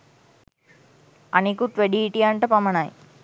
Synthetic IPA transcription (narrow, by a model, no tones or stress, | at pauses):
ɐnikuʈ̪ʋeɽiːʈːijaːɳʈɐpɐmɐnaːj